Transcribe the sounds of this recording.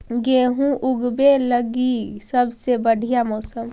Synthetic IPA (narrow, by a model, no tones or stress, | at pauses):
ɡeːɦũʔʊɡbeləɡisəbʱsebəɽʱijamɔːsəm